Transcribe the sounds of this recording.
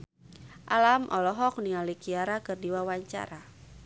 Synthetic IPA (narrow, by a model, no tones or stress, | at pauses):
ʔalamʔɔlɔɦɔk̚nialikiaɾakɨrdiwawaɲt͡ʃa̰ɾa